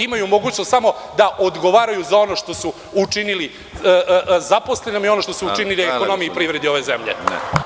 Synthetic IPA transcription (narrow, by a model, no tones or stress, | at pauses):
imajumo̞ɡuːt͡ɕnost̪samo̞d̪aʔod̪ɡo̞ʋaːɾajuzao̞no̞ʃt̪o̞su | ut͡ʂinili | zapo̞slenomio̞no̞ʃt̪osuut͡ʃiniliekono̞mijeipɾivɾed̪io̞ʋezemʎḛ